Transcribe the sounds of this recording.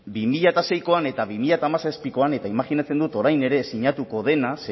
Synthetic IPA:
bimiʎat̪ase̞jko̞ane̞t̪aβimiʎat̪aːmasespiko̞ane̞t̪aimaɣinat͡se̞nd̪ut̪o̞ɾajne̞ɾe̞siɲat̪uko̞ð̞e̞nas

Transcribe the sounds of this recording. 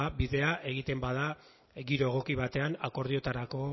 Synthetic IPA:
biðe̞aʔe̞ɣ̞it̪e̞mbað̞a | ɡiɾoeɣ̞o̞kiβ̞at̪e̞anako̞ɾð̞ie̞t̪aɾako̞

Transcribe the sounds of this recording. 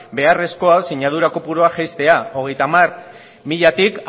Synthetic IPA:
be̞are̞sko̞asiɲað̞uɾakopuɾoaʝajst̪e̞ao̞ɣ̞e̞jt̪amar | miʎat̪ik

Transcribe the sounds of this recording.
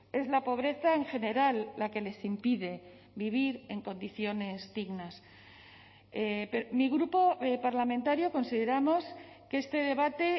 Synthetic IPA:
e̞zlapo̞β̞ɾe̞θae̞ŋxe̞ne̞ɾalːake̞le̞simpiðe̞ | βiβ̞iɾe̞ŋkõ̞nd̪iθjo̞ne̞zd̪iɣnas | epemiɣɾupo̞epaɾlamẽnt̪aɾjo̞ko̞nsiðe̞ɾamo̞s | kee̞st̪e̞ðe̞β̞at̪e̞

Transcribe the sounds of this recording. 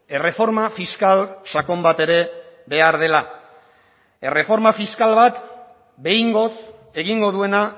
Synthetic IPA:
e̞re̞fo̞ɾmafiskalsako̞mbat̪e̞ɾe̞βe̞aɾð̞e̞la | ere̞fo̞ɾmafiskalβat̪ | be̞jŋɡo̞s | e̞ɣiŋɡo̞ðue̞na

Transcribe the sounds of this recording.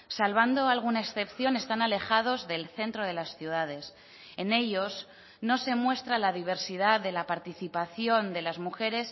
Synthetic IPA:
salβ̞and̪o̞alɣ̞unaeksθe̞pθjo̞ne̞st̪anale̞xað̞o̞zðe̞lθe̞nt̪ɾo̞ð̞e̞lasθjuð̞að̞e̞s | e̞ne̞ʎo̞z | no̞se̞mwe̞st̪ɾalaðiβ̞e̞ɾsið̞aððe̞lapaɾt̪iθipaθjo̞nd̪e̞lazmuxe̞ɾe̞s

